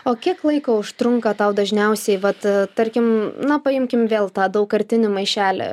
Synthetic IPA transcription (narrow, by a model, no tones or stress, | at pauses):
oːkʲiɛklˠɐɪkoːʊʃt̪ɾʊŋkɐt̪ɐʊd̪ɐʒʲnʲɛʊsʲɛɪʋɐt̪t̪ɐɾʲkʲɪmnɐpɐɪmʲkʲɪmʋʲeːlˠt̪ɑːd̪ɐʊkːɐɾʲt̪ʲɪnʲʊmɐɪʃʲæːlʲɛ̰